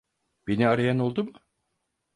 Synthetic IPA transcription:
b̥eniaɾajano̞lˠd̪umɯ

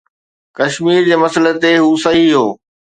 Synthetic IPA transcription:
kɐʃmiːɾd͡ʑeːmɐsələ̆t̪eɦuːsɐɦiɦoː

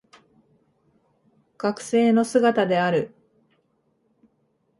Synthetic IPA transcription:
ɡ̥akɯ̟̥se̞ːno̞sɨɡat̪ad̪e̞aɾɯ̟

